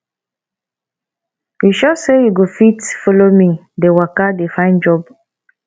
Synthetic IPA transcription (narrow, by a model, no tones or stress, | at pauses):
jiʃɔsejuɡofitfolomĩ | dewakadefãɪ̃nd͡ʒɔb